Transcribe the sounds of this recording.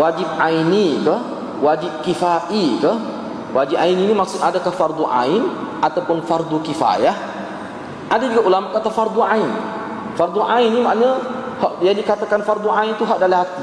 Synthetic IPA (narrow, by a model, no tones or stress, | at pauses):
wad͡ʒip̚ainikəh | wad͡ʒɪp̚kifaʔikəh | wad͡ʒiʔ̚aininimaksʊadakahfard̪uʔa̰in | ʔat̪awpʊnfard̪ukifa̰jah | ʔadad͡ʒuɡaʔulamaʔkat̪afard̪uain | fard̪uʔainːimaʔna | hɔʔjadikat̪akanfard̪uʔaint̪uɦaʔdalaɦat̪̚